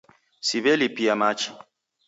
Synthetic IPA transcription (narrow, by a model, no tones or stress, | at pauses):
siβɛlipiamat͡ʃi̥